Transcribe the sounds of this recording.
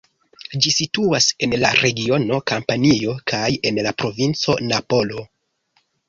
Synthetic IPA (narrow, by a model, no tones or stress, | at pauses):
d͡ʒisituase̞nla̰ɾe̞ɡio̞no̞kampanio̞kʰaje̞nlapɾo̞vint͡so̞̰napo̞lo̞